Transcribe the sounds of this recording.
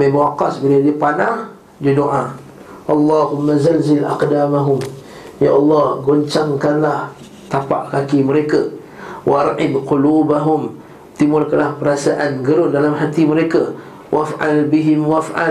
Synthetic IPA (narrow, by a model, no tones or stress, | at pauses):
bebaaqasbiladipanaŋ | d͡ʒədoʔa | ʔɑlˤːɑhʊmːazalzɪlʔa̰qdamaɦʊm | jaʔɑlːɑhɡoɲt͡ʃaŋkanlah | t̪apa̰ʔkakiməɾeka | wʔaʔaɾʔɪd̪qʊluːbaɦʊm | t̪imulkalahpəɾasaʔanɡəɾʊndalamɦat̪iməɾeka | wʔafʔalbiɦɪmwafʔa̰